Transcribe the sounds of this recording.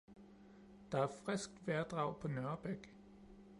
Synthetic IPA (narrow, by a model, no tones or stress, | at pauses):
d̥ɑ̈æɐfʁɛsɡ̥d̥ʋæɐd̥ʁɑ̈ʊ̰pʰɒ̽nœɐb̥eɡ̥